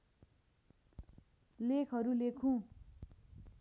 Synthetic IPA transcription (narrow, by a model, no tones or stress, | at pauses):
lekʰɦʌɾulekʰũ